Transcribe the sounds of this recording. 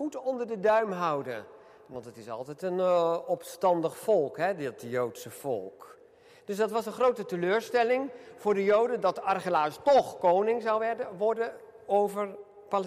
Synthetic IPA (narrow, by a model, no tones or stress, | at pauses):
utɔndəɹdədœɥmɦɑwdə̰n | ʋɑntdɑtɪsɑ̰lˠtɛtənɔpstɑndəχfɔlˠkɦɛdɪtjowtsəfɔ̰lˠk | d̥ɵsdɑtʋɑsənχrowtətəløːɹstɛlɪŋv̥ʊːɹdəjowdədɑtɑrχəlaːstɔχkownɪŋzɑwʋɛdəʋɔɹdə | owvəɹ | pal